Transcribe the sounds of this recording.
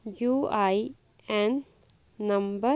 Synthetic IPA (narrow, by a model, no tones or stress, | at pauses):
juːaj | ẽnː | ɐ̃mbə